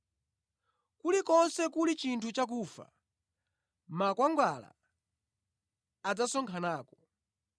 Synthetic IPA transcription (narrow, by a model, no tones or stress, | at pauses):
kulikɔnsɛkulit͡ʃintʰut͡ʃak̬ufa̰ | makwaŋɡwala̰ | ad͡zasɔŋkʰanaːkɔ